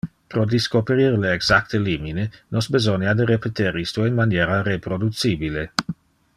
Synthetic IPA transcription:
pɾod̪iskopeɾirleːɡz̥ak̚t̪eliminenosbezoniad̪erepet̪eɾist̪oinmanjeɾarepɾod̪ut̪t͡sibile

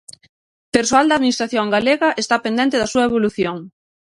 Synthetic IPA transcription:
peɾsoald̪ɐaðminist̪ɾaθjoŋɡaleɣɐʔest̪apend̪ɛnt̪eðɐsuɐeβ̞oluθjoŋ

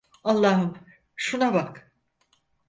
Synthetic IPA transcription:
alˠːɑːɦɯm | ʃunabak

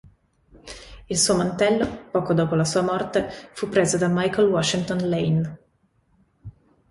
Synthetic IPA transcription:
ilsuːomant̪ɛlːopɔːkod̪oːpolasuːamɔrt̪efupːɾeːzod̪amajkolwɔʃːint̪onlejn

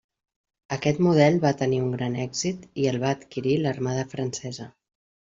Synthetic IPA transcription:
əkɛt̪muð̞ɛlˠβat̪əniuŋɡɾanɛɡz̥it̪iəlˠβaːt̪kiɾilərmaðəfɾənsɛzə

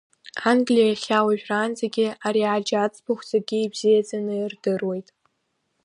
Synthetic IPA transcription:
anɡlʲijaχʲawaʒᶣraːnzaɡʲɪaɾiad͡ʒat͡sʼbʰaχʷd͡zaɡʲiibzijad͡zanɨirdɨrwe̞jtʼ

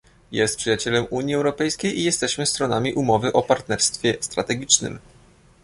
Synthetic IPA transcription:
jɛst̪̚pʂɘjat͡ɕɛlɛmʔuɲjiɛwɾɔpɛjskʲejʔijɛst̪ɛɕmɘst̪ɾɔnamʲiʔumɔvɘʔɔpaɾt̪nɛɾst̪fʲjɛst̪ɾa̰t̪ɛɡʲit͡ʂnɘ̰m

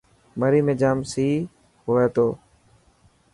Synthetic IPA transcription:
məɾiːmẽːd͡ʒaːmsiː | ɦoːeːt̪oː

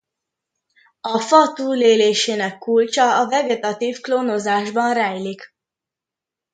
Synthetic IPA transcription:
ɒfɒt̪uːleːleːʃeːnɛkːult͡ʃɒːvɛɡɛt̪ɒt̪iːfkloːnozaːʒbɒnrɛjlik

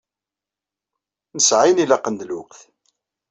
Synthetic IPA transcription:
nəsʕanilɑqːənd̪lʊqθ

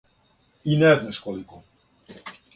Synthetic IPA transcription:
inɛznɛʃkoliko

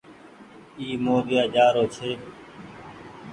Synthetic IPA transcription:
iːmoːdɪjaːd͡ʒaːɾoːt͡ʃʰeː

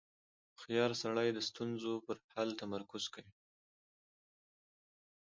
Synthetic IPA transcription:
xjɑɾsaɽajd̪əst̪unzopəɾhalt̪amaɾkʊzkawi

